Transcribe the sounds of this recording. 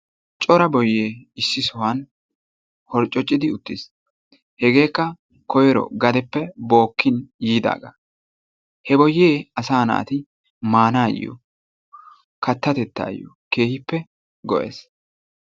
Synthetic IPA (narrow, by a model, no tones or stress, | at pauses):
t͡ʃʼɔɾɐbɔjːeːɪsːɪsɔwɐn | hɔɾt͡ʃʼːɔt͡ʃʼːɪd̪ɪʊt̪ːɪs | hɛɡe̞ːkːɐ | kɔjɛɾɔ̰ɡɐd̪ɛpːɛbo̞ːkːɪnjiːd̪a̰ːɡa̰ | hɛbɔjːe̞ːɐsaːna̰ːt̪ɪ | maːnaːj̰jɔ̰ | kɐt̪ːɐt̪ɛt̪ːa̰ːj̰ɔ̰ | ke̞ːhɪpːɛ | ɡɔ̰ʔḛːs